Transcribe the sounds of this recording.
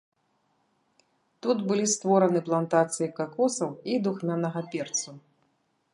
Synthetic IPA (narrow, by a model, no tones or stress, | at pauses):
t̪ut̪bɨlʲist̪vɔɾɐnɨplˠant̪at̪sɨjikakɔsɐwid̪uxmʲanɐɣɐpʲɛrt̪su